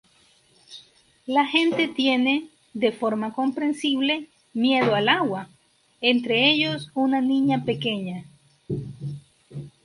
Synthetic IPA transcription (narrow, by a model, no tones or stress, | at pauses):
laxe̞nt̪e̞t̪je̞ne̞ | ðe̞fo̞ɾmako̞mpɾe̞nsiβle̞ | mje̞ðoalaɣwa | ent̪ɾeeʎosunanĩɲape̞keɲa